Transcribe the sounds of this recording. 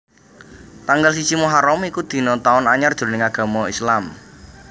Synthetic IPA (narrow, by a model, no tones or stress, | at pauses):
t̪aŋɡals̬it͡ʃimuɦaɾɔmikud̪̥i̤nɔt̪aʊnaɲard̥ʒ̥o̤lnɪŋaɡ̥a̤mɔislam